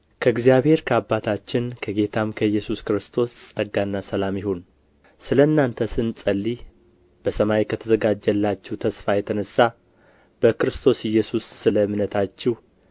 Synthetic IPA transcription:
kʰəɨɡzijaβhe̞ɾkʰəabːat̪ʰat͡ʃːɪnkʰəɡe̞t̪ʰamkʰəjːɛsuskɾɨst̪ʰo̞ssʼəɡanːasəlamjɪhon | sɨləɨnːant̪ʰəsɨnsʼəlːi | b̥əsəmaikʰət̪ʰəzəɡad͡ʒːəlːat͡ʃːɛwut̪ʰəsfajɛt̪ʰənəsːa | b̥əkɨɾɨst̪ʰo̞sɪjːɛsusːɨləmɨnət̪ʰat͡ʃːɪh

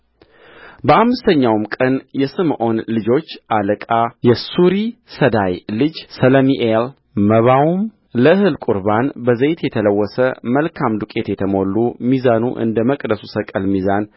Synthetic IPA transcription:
bəʔamːɨst̪ʰəɲːawmkʼənjɛsɨmʔo̞nlɨd͡ʒo̞t͡ʃːʔaləkʼajɛsuɾisəd̪ajlɨd͡ʒsələmiʔel | məβawum | ləɨhɨlkʼuɾbanbəzəjt̪jɛt̪ʰələwːɔsəməlkʰamd̪ukʼet̪jɛt̪ʰəmo̞lːumizanuʔɨ̰nd̪əməkʼd̪əsusəkʼəlmizan

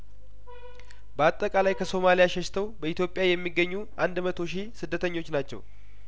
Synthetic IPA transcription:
bəat̪ʼːəkʼalajkʰəso̞malijaʃɛʃt̪ʰəwbəit̪jopʼjajɛmːiɡːəɲːuʔand̪mət̪ʰo̞ʃisɨd̪ːət̪ʰəɲːo̞t͡ʃːnat͡ʃːɛ̰w

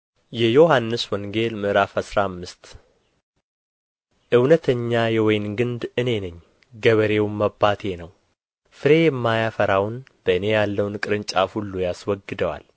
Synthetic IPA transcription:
jɛjo̞hanːɨswɔŋɡe̞lmɨʔɾafhasɾamːɨst̪ | ʔɨwnət̪ʰəɲːajɛwɔjnɡɨnd̪ɨne̞nɨɲː | ɡəβəɾe̞wmːəbːat̪ʰe̞nəw | fɨɾe̞jɛmːajafəɾawnb̥əɨne̞jalːəwnkʼɨɾɨnt͡ʃʼahulːujaswɔɡːɨd̪əwa̰l

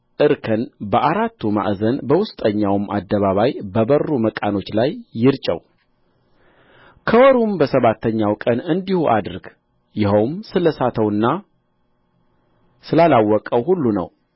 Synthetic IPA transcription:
ʔɨɾkʰɨnbəʔaɾat̪ʰːuma̰ʔzənbəwʊst̪ʼəɲːawma̰d̪ːəβaβajbəbərːuməkʼano̞t͡ʃːlajːɪɾt͡ʃʼə̰w | kʰəwɔɾumbəsəβat̪ʰːəɲːawkʼənɨnd̪ihuʔa̰d̪ɨɾɡ | jɪhowmsɨləsat̪ʰəwɨnːa | sɨlalawːɔkʼəwhulːunə̰w

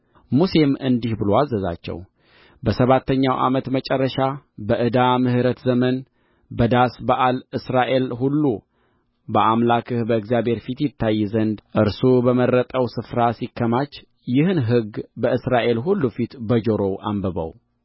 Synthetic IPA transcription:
muse̞mɨ̰nd̪ihbɨloazːəza̰t͡ʃːɛ̰w | bəsəβat̪ʰːəɲːawʔa̰mət̪mət͡ʃʼɛrːəʃabəʔɨd̪amɨhɨɾət̪zəmən | bəd̪asbəʔalɨsɾaʔe̞lhulːu | bəʔamlakɨhbəɨkzijabhe̞ɾfit̪jɪt̪ʰːajːzənd̪ʔɨɾsubəmərːət̪ʼəwsɨfɾasikʰːəmat͡ʃː | jɪhɨnɦɨɡbəɨsɾaʔe̞lɦulːufit̪bəd͡ʒoɾo̞ʔa̰mbəβə̰w

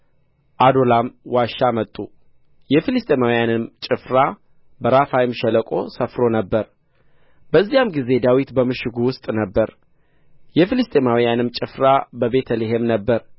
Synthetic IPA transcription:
ʔad̪o̞lamwaʃːamət̪ʼːu | jɛfilɨst̪ʼemawijanɨmt͡ʃʼɪfɾa | bəɾafajɪmʃɛləkʼo̞̰səfɾo̞nəbːəɾ | b̥əzːijamɡize̞d̪awit̪bəmɨʃɪɡuwʊst̪ʼnəbːəɾ | jɛfilɨst̪ʼemawijanɨmt͡ʃʼɪfɾabəbe̞t̪ʰəleɦemnəbːəɾ

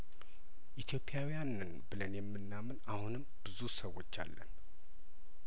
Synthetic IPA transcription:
ʔit̪ʰjo̞pʰʼːijawjanɨnbɨlənjɛmːɨnːamɨnahunɨmb̥ɨzusəwo̞t͡ʃːa̰lːə̰n

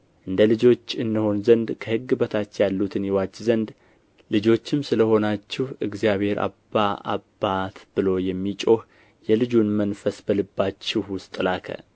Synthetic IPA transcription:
ʔɨnd̪əlɨd͡ʒo̞t͡ʃːɨnːɨho̞nzənd̪kʰəhɨɡːɨbət̪ʰat͡ʃːjalːut̪ʰɨnjɛwat͡ʃːzənd̪ | lɨd͡ʒo̞t͡ʃːɪmsɨləho̞nat͡ʃːɪhʔɨɡzijaβhe̞ɾʔa̰bːaa̰bat̪b̥ɨlo̞jɛmːit͡ʃʼo̞h | jɛlɨd͡ʒunmənfəsbəlɨbːat͡ʃːɪhwʊst̪ʼɨlakʰə̰

